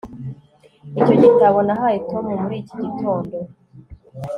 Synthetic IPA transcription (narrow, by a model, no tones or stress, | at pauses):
ico̞ɟitaβonaɦajitomumuɾiːci̥ɟitʰo̞ːndo